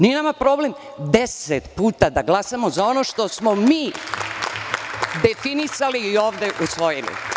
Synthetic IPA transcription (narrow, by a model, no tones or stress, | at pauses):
nienamapɾo̞ble̞m | d̪eset̪puːt̪ad̪aɡlˠasamo̞zao̞no̞ʃt̪o̞smomiː | d̪e̞finisaliːo̞ːʋd̪e̞ʔusʋo̞jilḭ